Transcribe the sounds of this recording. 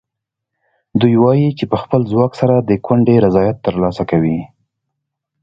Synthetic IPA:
d̪ujwɑjit͡ʃepəxpəlzwɑksaɾad̪əkwaɳɖeɾazɑjat̪ːəɾlɑsakawi

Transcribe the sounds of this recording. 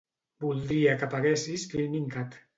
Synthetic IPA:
bulˠd̪ɾiakapaɣesiskilmiŋkat̪

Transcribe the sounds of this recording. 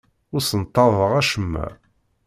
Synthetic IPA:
ʊɾsənt̪ːɑðˤəʁæʃəmːæ̰

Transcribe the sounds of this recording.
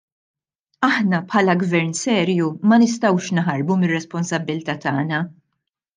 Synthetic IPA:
ɐħnɐpħɐːlɐɡvɛɾnsɛːɾjumɐnɪs̬t̪ɐwʃnħɐɾbumɪrːɛspɔnsɐbːɪlt̪ɐːt̪ɐːnɐ

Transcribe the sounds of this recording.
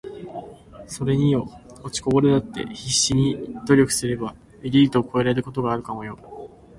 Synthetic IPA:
so̞ɾe̞ɲ̟ijo̞ot͡ɕi̥ko̞bo̞ɾɯd̪at̪ːe̞̰çiɕːiɲ̟id̪̥o̞ɾʲo̞kɯ̟̥sɨɾe̞ba | eɾʲiːt̪o̞ːko̞e̞ɾaeɾɯ̟ko̞t̪o̞ɡaːɾɯ̟kamo̞jo̞

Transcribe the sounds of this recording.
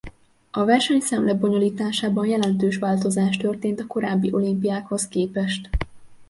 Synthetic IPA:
ɒvɛrʃɛɲsɛmlɛbo̞ɲo̞liːt̪aːʃaːbɒnjɛlɛnt̪øːʃʋaːlt̪o̞zaːʃt̪ø̞rt̪eːnt̪ɒko̞ɾaːbːiʔo̞limpijaːkho̞skeːpɛʃt̪

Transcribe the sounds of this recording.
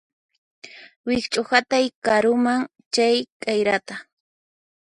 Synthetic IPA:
wɪkt͡ʃʼʊhat̪ajkaɾʊmaŋ | t͡ʃajkajɾat̪a

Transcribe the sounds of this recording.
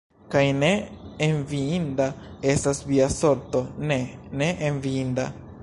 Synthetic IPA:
kajneenviind̪ae̞stasviaso̞ɾt̪o̞ne̞ne̞ʔenviind̪a̰

